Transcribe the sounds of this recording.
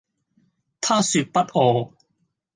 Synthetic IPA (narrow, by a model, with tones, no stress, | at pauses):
t̪ʰaː˥syː˧t̚pɐ˥t̚ʔɔː˨˧